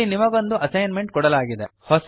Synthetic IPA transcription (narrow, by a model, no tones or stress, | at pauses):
inimɐɡo̞nd̪uʔɐsɐjnme̞ɳʈ̚kɔɽɐlaːɡid̪ḛhɔs